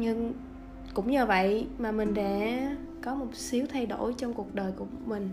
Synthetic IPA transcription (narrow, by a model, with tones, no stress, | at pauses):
ɲɨ˧ŋ | kʊ̰˧˥wŋ͡mɲɨː˧və̰˧˨jmaː˨˩mï˨˩ŋ̟ɗɛ̰˧˥ | kɔ˨˦mo˨˩t̚si˨˦əwt̪ʰa˧jɗo̰˧˩jt͡ɕɔ˧ŋ͡mku˨˩ək̚ɗəː˨˩jku˧˩əmï˨˩ŋ̟